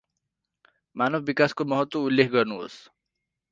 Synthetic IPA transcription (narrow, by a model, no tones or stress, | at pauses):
manʌbʱbikaskomʌɦʌt̪wʌulːekʰɡʌrnuɦo̰s